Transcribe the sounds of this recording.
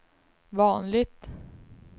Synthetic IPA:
vɑːnlɪɡ̚t̪

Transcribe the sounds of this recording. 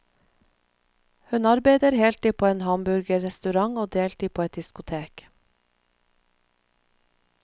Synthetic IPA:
hʉnɑɾbeɪd̪əɾhɛːlt̪iːpʰoːeːnhɑmbʉɾɡəɾɛst̪ʉɾɑŋoːd̪eːlt̪iːpʰoːɛt̪̚d̪ɪskʊt̪ʰeːk

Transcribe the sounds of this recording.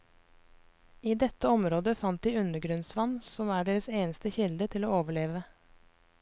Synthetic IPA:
iːd̪ɛt̪əɔmɾoːd̪əfɑnt̪̚d̪iːʉnəɡɾʉnsʋɑnsɔmæːɖeːɾəseːnəst̪əçɪld̪ət̪ʰɪloːoːʋəɭeːʋə

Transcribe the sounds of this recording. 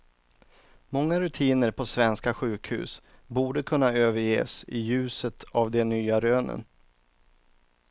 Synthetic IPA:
mɔŋːaɾɵt̪ʰiːnəɾpʰɔsvɛnskaɧʉ̟ːkhʉ̟ːsbuːɖəkʰɵnːaøːvəɾjḛːsɪjʉ̟ːsət̪ʰavd̪ɛnyːaɾøːnə̰n

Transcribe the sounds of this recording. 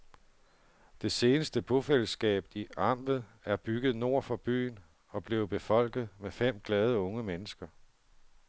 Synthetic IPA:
d̥e̝se̝ːnəsd̥əb̥ʰo̝fel̰əsɡ̥ɛ̰ːb̥̚iɑ̈m̰bð̩ˠæɐb̥yɡ̥ð̩ˠno̝ɐ̰fɒ̽b̥y̰ːn | ɒ̽b̥le̝ːʊb̥e̝fɒ̽l̰ɡ̥ð̞̩ˠmefem̰ɡ̥lɛːð̞ˠəɔ̽ŋəmenəsɡ̥ɐ

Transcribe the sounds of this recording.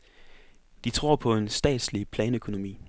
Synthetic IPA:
d̥it͡sʰʁo̝̰ɐpʰɒ̽e̝nsd̥ɛ̰ːd̥slipʰlɛːnøkʰo̝no̝mḭː

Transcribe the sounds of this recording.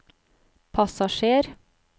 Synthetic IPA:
pʰɑsɑʃeːɾ

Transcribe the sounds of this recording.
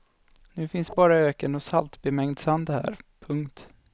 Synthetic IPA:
nʉ̟ːfɪnsbɑːɾaøːkənɔsalt̪bɛmɛŋd̪sand̪hæ̰ːɾpʰɵŋkt̪

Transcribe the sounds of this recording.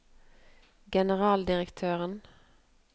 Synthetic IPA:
ɡɛnəʁɑːld̪ɪʁəkt̪ʰøːʁən

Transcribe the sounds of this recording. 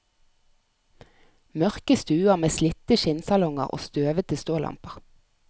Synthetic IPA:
mœʁkəst̪ʉːəʁmeːslɪt̪əʃɪnsɑlɔŋə̰ʁo̰ːst̪øːʋət̪ʰəst̪oːlɑ̰mpəʁ

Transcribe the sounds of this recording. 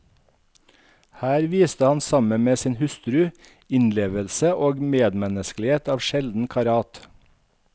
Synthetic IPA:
hæːɾʋiːst̪əhɑnsɑməmeːsiːnhʉst̪ɾʉ | ɪnleːʋəlsəʔoːɡmeːd̪mɛnəsklɪheːt̪ɑːʋʃɛld̪n̩kʰɑɾɑːt̪

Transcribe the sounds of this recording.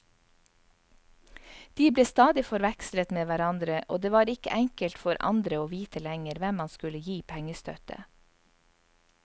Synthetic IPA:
d̪̥iːbleːst̪ɑːd̪ɪfɔɾʋɛkslət̪meːʋæɾɑnd̪ɾəʔo̰ːd̪eːʋɑːɾɪkə̰ʔæŋkəlt̪fɔɾʔɑ̰nd̪ɾəoːʋiːt̪ʰəlɛŋəɾʋɛmːɑnskʉləjiːpʰɛŋəst̪œ̰t̪ə̰

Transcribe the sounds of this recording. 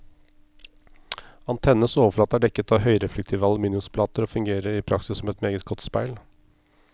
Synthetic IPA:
ɑnt̪ʰɛnːəsoːʋəfɭɑːt̪əæɖɛkːət̪ɑʋɦœʏɾɛflɛk̚t̪ʰiːʋəɑləmiːnʉspʰlɑːt̪əɾɔfʉŋɡeːɾəɾɪpʰɾɑksɪsːɔmɛt̪meːɡət̪ɡɔt̪spæɪl

